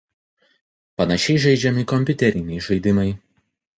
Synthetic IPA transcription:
pɐnɐʃʲɛɪʒʲɛɪd͡ʒʲɛmʲɪkɔmʲpʲʊt̪ʲɛɾʲɪnʲɛɪʒɐɪd̪ʲɪmɐɪ

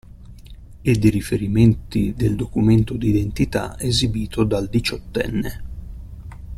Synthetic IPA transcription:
ɪd̪ːiɾifeɾiment̪id̪eld̪okument̪od̪id̪ent̪it̪a̰ezibiːt̪ʰod̪ald̪it͡ʃɔt̪ːɛ̰nːe

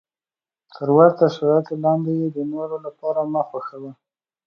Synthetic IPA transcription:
t̪ʰəɾwaɾt̪aʃaɾɑjat̪olɑnd̪ejed̪ənoɾolapɑɾaməxaxəwa

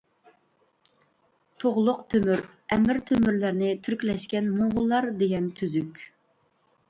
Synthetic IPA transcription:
t̪ʰoʁlˠʊqt̪ʰømyɾɛmɪɾt̪ʰømyɾlæɾnɪt̪ʰyɾkʲlɛʃkʲɛnmoʁʊlˠːɑɾd̪eɡʲɛnt̪ʰyzykʲ

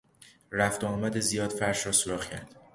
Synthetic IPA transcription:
ɾæft̪ɒːmæd̪ezijɒːd̪fæɾʃɾɒːsoɾɒːχcʰæ̰ɾd̪̥

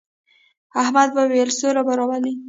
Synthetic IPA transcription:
ahmad̪̚bawelsoɾabaɾɑbali

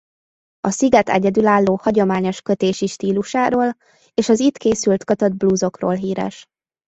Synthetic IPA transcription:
ɒsiɡɛt̪ɛ̰ɟɛd̪ylaːlːoːhɒɟo̞maːɲo̞ʃkø̞t̪eːʃiʃt̪iːluʃaːɾoːl | eːʃɒzit̪keːsylt̪kɒt̪ɒd̪̚bluzo̞kro̰ːlɦiːɾɛ̰ʃ

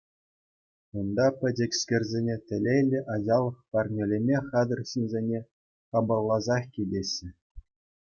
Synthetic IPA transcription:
und̪ɑpʲɘ̆dʲĕkʲsʲkʲĕrʲzʲenʲetʲɘ̆lʲejlʲːɘ̆ʔɑʑɑlˠːɤ̆χpɑrnʲelʲemʲeχɑd̪ɤ̆rɕinʲzʲenʲe | χɑbɤ̆lˠːɑzɑχkʲidʲeɕʲːɘ̆

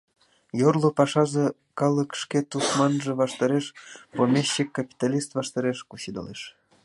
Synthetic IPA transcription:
jorlˠopɑʃɑzɤ̆ | kɑlˠə̆kʃket̪usmɑnʒɤ̆βɑʃt̪ɑɾeʃpomʲeɕːekapʲi̥t̪ɑlʲist̪vɑʃt̪ɑɾeʃkuɕid̪ɑ̰leʃ

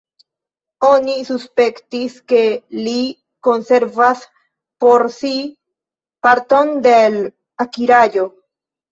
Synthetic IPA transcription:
o̞nisuspe̞ktiske̞li | ko̞nse̞ɾvas | po̞ɾsi | paɾto̞ndel | akiɾajo̞

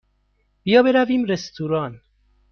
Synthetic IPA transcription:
b̥ijɒːbe̞ɾæviːmɾest̪ʰuɾɒːn

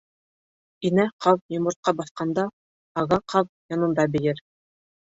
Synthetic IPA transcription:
inæqʰɑwjŏmɤ̆ɾt̪̚qɑbɑθqɑnd̪ɑ | ɑʁɑqʰɑw | jɒnɤ̆nd̪ɑbɘ̆jɘɾ

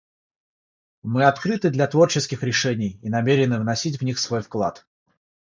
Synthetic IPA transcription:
mɨɐt̪kɾɨt̪ɨd̪lʲɐt̪vo̞rt͡ɕɪskʲɪxɾʲɪʂɛnʲɪjinɐmʲeɾʲɪnɨvnɐsʲit̬ʲvnʲixsvo̞jfklˠa̰t̪

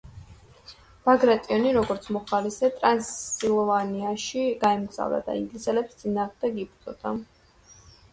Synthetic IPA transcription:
b̥aɡɾat̪ʼiɔniɾɔɡɔɾt̪sʰmɔχalisɛt̪ʼɾansilˠɔvaniaʃiɡaɛmɡz̥a̰vd̪a̰d̪a̰ḭŋɡlisɛlɛpst̪sʼinaːʁmd̪ɛɡip̪ʰʼzʼɔd̪̥a

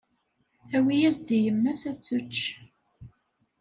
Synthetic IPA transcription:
æwijæzd̪ijəmːæsæt͡sːut͡ʃː

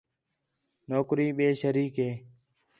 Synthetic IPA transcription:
noːkɾiːɓeːʃəɾiːkeː

